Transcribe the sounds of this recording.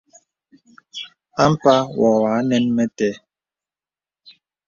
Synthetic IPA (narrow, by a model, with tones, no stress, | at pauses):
a˦m̩˦pa˦wɔ˨wa˨˦nɛ˦nmɛ˦tɛ˦